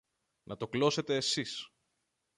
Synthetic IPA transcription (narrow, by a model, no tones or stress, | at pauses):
nʔɐt̪o̞klo̞se̞t̪e̞ːsis